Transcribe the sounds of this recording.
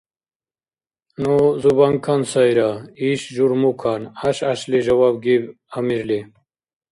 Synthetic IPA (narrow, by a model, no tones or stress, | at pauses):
nuzubaŋkʰansajɾaiɕʒuɾmukʰanaɕaɕleʑɐwaːbɡib | amiɾle